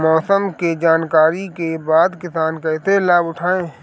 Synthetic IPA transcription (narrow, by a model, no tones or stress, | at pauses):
mɔːsəmked͡ʒaːnkaːɾikebaːd̪kɪsaːnkaɪt̪elaːbʊʈʰaːẽː